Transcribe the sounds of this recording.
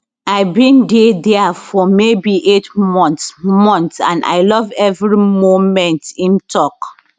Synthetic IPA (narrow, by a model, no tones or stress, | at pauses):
aɪbĩndedɛafɔmebiʔetmɔ̃ntmɔ̃ntsã̰na̰ɪlɔvɛvɹimomɛ̃ntĩntʰɔk